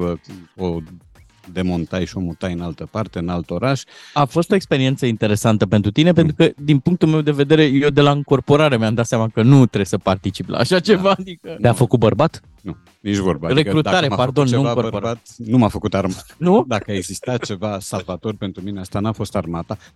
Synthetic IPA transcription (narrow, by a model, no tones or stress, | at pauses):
əo | d̪e̞mont̪ajʃio̞mut̪ajɨnalt̪əpart̪e̞ɨnalt̪o̞ɾaʃafo̞st̪o̞e̞kspe̞ɾient̪səint̪e̞ɾe̞sant̪əpe̞nt̪ɾut̪ine̞p̬ent̪ɾukəd̪inpuŋk̚t̪ulme̞wd̪e̞ve̞d̪e̞ɾe̞jewd̪e̞laɨŋko̞rpo̞ɾaɾemʲamd̪at̪sjamakənut̪ɾesəpart̪it͡ʃiplʔa̰ːʃat͡ʃe̞vad̪ikət̪eafəkut̪̚bərbat̪ | nu | nit͡ʃvoɾbare̞ɾut̪aaɾeapard̪o̞nːt͡ʃuŋkorpoɾaat̪numafəkut̪aɾmanud̪akəaeɡzist̪at̪̚t͡ʃe̞vasalvat̪o̞rpent̪ɾumineast̪anuafo̞st̪armat̪a